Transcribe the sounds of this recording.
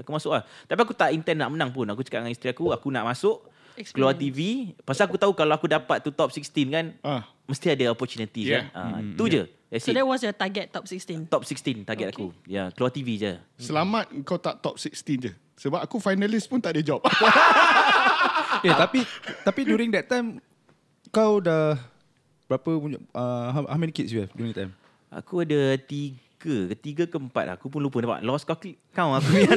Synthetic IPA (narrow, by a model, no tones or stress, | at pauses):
akumasʊklaht̪apiak̬ut̪aʔint̪ɛnːa̰ʔmənãŋpʊnakut͡ʃə̥kaʔŋanist̪ɾiakuakunaʔmãsʊʔ | kəluat̪ivipasaakut̪aukalawakudapat̪̚ːut̪ɔp̚sikst̪inkanã | məst̪iadaɔpɔt͡ʃunit̪iaʔa̰ud͡ʒə | ɛsdɛwɔsjət̪aɡɛt̪̚ːɔp̚sikst̪int̪ɔp̚sikst̪int̪aɡɛt̪akujakluat̪ivid͡ʒə | səlamãt̪̚əŋkawt̪aʔt̪ɔp̚sikst̪ind͡ʒə | səbap̚akufajnalispunt̪aʔdəd͡ʒɔp̚ | jat̪apit̪apidjuɾĩŋdɛt̚t̪ːãjm | kawdah | əbɾapəud͡ʒəɦahawmɛ̃nikitsjuhɛfdjuɾĩŋt̪ãjm | ʔa̰kuadət̪iɡəkət̪iɡəkəəmpa̰t̪̚ʔa̰akupunlupənapa̰ʔlɔskɔk | kãw̃ŋakuja